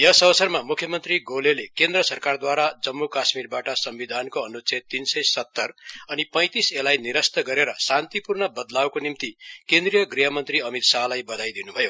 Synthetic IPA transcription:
jʌsʌbʌsʌrmamukʰjʌmʌnt̪riɡolelekend̪rʌsʌrkard̪waɾad͡zʌmːukasmirbaʈʌsʌmbid̪ʱankoʌnut͡set̪insʌjsʌt̪ːʌrʌnipʌj̃t̪iselajniɾʌst̪ʌɡʌɾeɾʌsant̪ipurnʌbʌd̪lawkonimt̪ikend̪rijʌɡriɦʌmʌnt̪riʌmit̪salajbʌd̪ʱajd̪inubʱʌjo

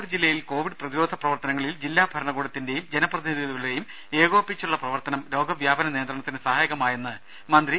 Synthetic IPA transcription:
ɾd͡ʑilːɐjilko̞ːʋiɖɨprɐðiɾo̞ːd̪ʱɐprɐʋɐrt̪ɐnɐŋːɐɭild͡ʑilːaːbʱɐɾɐɳɐɣuːɽɐt̪ːinde̞jumd͡ʑenɐprɐðiniðiɣɐɭɐlɾejum | e̞ːɣo̞ːpːit͡ɕːuɭːɐprɐʋɐrt̪ɐnɐmɾo̞ːɡɐʋjaːbɐnɐneːnd̪rɐɳɐt̪ːinesɐhaːjɐɣɐmaːjenːɨ | mɐnd̪ri

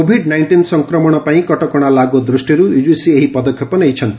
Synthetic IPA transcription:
obʱiɖnajɳʈinsʌŋkɾɔmɔɽ̃ɔpaĩkɔʈɔkɔɽ̃alaɡod̪ɾusʈiɾuud͡ʒusieɦipʌd̪ɔkʰjɔpɔnejt͡ʃʰʌnt̪i

